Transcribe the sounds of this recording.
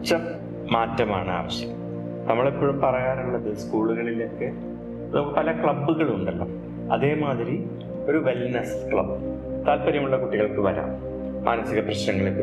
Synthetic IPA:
t͡ɕːɐ | maːtːɐma̰ːɳɨa̰ːʋɐɕjɐɐm | nɐmːɐɭepːoːɻumpɐrɐjaːɾuɭːɐðɨskuːɭuɣɐɭileːkːɨ | ɐðokːɐpɐlɐkɭɐbːuɣɐɭuɳɖelːɐ | ɐ̰ðe̞ːmaːðiɾi | o̞ɾuʋelnɐskɭɐ̰b | t̪aːlpɐɾjɐmuɭːɐkuʈːiɣɐɭkɨʋɐɾa̰ːm | mʔa̰ːnɐsiɣɐprɐɕnɐŋːɐɭekːɨ

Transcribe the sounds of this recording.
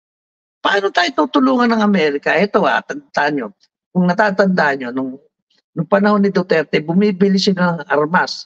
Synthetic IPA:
pɐʔaːnot̪aːjot̪uːt̪ʊluːŋɐnːɐŋɐmɛɾɪkɐʔɛt̪o̞a̰t̪ɐnd̪aɐɲɲo | kʊŋnɐt̪aːt̪ɐnd̪aːhɐɲjo̞nʊŋ | nʊŋpɐnɐho̞nːɪd̪ot̪ɛɾt̪ɛbʊmiːbɪlɪsɪlanɐŋɐɾmas

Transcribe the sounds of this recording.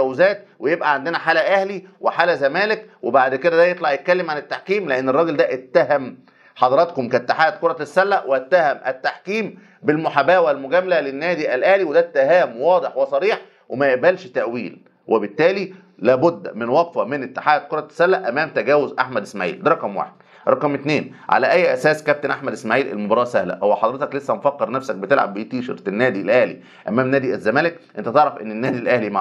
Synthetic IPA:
æwzæːt̪̚wejebʔæʕand̪enæħaːlæʔæhliweħaːlæzæmæːlekwebaʕd̪ked̪æd̪æjet̪ˤlɑʕjet̪̚kælːemʕanet̪ːaħkiːmleʔenːerˤɑɡeld̪æʔet̪ːæɦæm | ħɑd̪ɑɾˤɑt̪komkæt̪ːeħaːjæt̪̚koɾˤɑsːælːæʔwet̪ːæhæmʔæt̪ːaħkiːm | belmoħabæːwælmoɡæmælælenːæːd̪iʔælʔæhliwed̪æt̪ːeɦæːmwɑːd̪ˤeħwesˤɑɾiːħ | wemæjæbælʃt̪æʔwḭːl | wʔebet̪ːæːli | læːbʊd̪ːmɪnwɑqfæmenʔet̪ːeħaːd̪̚koɾˤɑt̪ːsælːæʔʔæmæːmt̪æɡæːwozʔaħmæd̪ʔesmaʕḭːld̪ɾˤɑqɑmwa̰ːħed̪̥ | ɾˤɑqɑmet̪neːnʕa̰læʔæjːʔæsæːskæp̚t̪enʔaħmæd̪esmaːʕiːlʔḛlmobɑɾˤɑːsæhlæ̰howːæħɑd̪ˤɾet̪ɑklesːæmfækːeɾnæfsæk̚bet̪elʕa̰bːejt̪iːʃḛɾenːæːd̪ilʔæhlḭ | ʔæ̰mæːmnæːd̪iʔæzːæmæːlekʔḛnt̪æt̪eʕɾɑfʔenːenːæːd̪ilʔæhlimaʕ

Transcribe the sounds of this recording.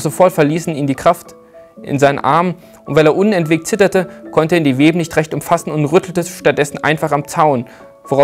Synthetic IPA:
z̥ofɔɐtfɛɐliːsn̩iːmdiːkʁ̥aft | ʔɪ̰nzaɪnə̰nʔa̰ɐmə | ʊntv̥aɪleːɐʔʊnɛntv̥eːk̚tt͡sɪtɐtəkʰɔntəiːdiːveːbənɪçtʁɛçtʊmfasn̩ʊntʁʏtʰl̩təʃtat̚d̥ɛsn̩ʔa̰ɪnfaχamt͡saʊn | voʁa

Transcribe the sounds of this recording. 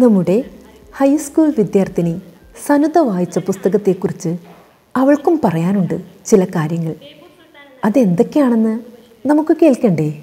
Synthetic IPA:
nɐmːuɽe̞ | hɐjskuːlʋid̪jaːrt̪ine | sɐnud̪ɐʋaːjit͡ɕːɐpust̪ɐɣɐt̪ːe̞ːkːurit͡ɕːɨ | ɐʋɐɭkumpɐrɐjaːnuɳɖɨt͡ɕilɐkaːɾjɐŋːɐɭ | ɐðe̞nd̪ekːejaːɳe̞nːɨ | nɐmukːɨke̞ːɭkːɐɳɖe

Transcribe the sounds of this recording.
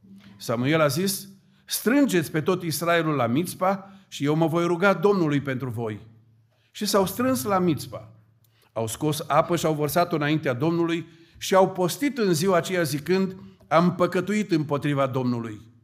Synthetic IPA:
samue̞lazis | st̪ɾɨnd͡ʒet̪sʲpe̞t̪o̞t̪israe̞lulːamit̪spaʃije̞wməvo̞jɾuɡad̪o̞mnulujpe̞nt̪ɾuvo̞j | ʃisawst̪ɾɨnslamit̪spa̰ | awsko̞sapəʃiawvərsat̪ɨnaint̪ead̪o̞mnuluj | ʃiawpo̞st̪it̪ɨnziwaːt͡ʃe̞jazikɨnd̪ | ampəkət̪uit̪ɨmpo̞t̪ɾivad̪o̞mnuluj

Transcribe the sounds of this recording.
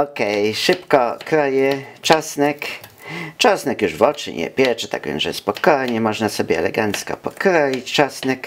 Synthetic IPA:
ɔkɛjʂɘpkɔkɾɔjɛt͡ʂɔsnɛk | t͡ʂɔsnɛkjuʐvɔt͡ʂɘ̰ɲɛ̰pʲjɛt͡ʂɛt̪a̰ɡvʲɛ̰nzʐɛspɔkɔjɲɛmɔʐnasɔbʲjɛɛ̰lɛɡant̪skɔ̰pɔkɾɔjit͡ɕt͡ʂɔsnɛk

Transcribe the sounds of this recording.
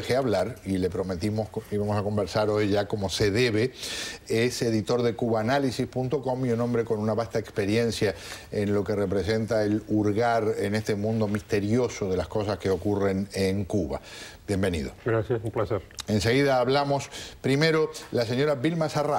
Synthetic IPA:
exeaβlaɾile̞pɾomet̪imoiβamo̞sako̞mbeɾsaɾo̞jʒako̞mo̞seðeβeese̞ðit̪o̞ɾðekuβaːnalisispunt̪o̞ko̞mionombɾe̞ko̞nunaβast̪aekspe̞ɾje̞nsja | enlo̞ke̞repɾe̞se̞nt̪aeluɾɣaɾenest̪e̞mũnd̪o̞mist̪e̞ɾjo̞soðe̞lasko̞s̬askeo̞kure̞neŋkuβa̰bje̞mbe̞nḭð̞o̞̰ɡɾasjasumplaseɾenseɣ̞iðaːβlamo̞spɾime̞ɾo̞las̬e̞ɲo̞ɾaβilmasara

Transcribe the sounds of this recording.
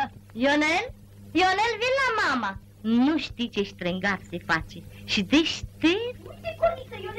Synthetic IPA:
jonel | jonelʋilamama | nuʃt̪it͡ʃeʃt̪ɾeŋɡaɾsefat͡ʃiʃid̪iʃt̪i

